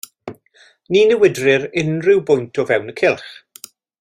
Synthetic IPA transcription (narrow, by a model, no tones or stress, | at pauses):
niːnəwɪdrɪɾɪnrɪwbʊjntʰɔvɛwnəkʰɪlˠχ